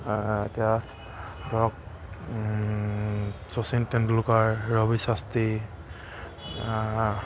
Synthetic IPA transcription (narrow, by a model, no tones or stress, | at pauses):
etija | dɔɹɔk̚ | sɔsintɛndulukaɹːɔbisasti